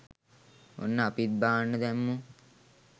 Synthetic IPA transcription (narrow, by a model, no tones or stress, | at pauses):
o̰nːəapit̪̚baːnːəd̪æmːu